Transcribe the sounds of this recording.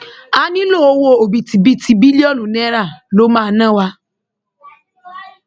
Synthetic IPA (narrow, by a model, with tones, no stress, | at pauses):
a˧nĩ˦lo˦˨o˧˦wo˧o˨bi˨ti˨bi˨˦tʰi˧˨bi˦li˦ɔ˦˨lũ˨nɛ̃˦ɾa˦˨lo˦mãː˦˧˦nã˦wa˧